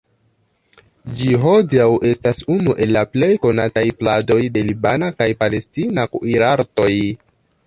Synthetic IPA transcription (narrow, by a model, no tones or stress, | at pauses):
d͡ʒiɦo̞diawʔe̞stasunuʔe̞lːaple̞jko̞natajplado̞jde̞libanakajpale̞stinakiɾaɾto̞j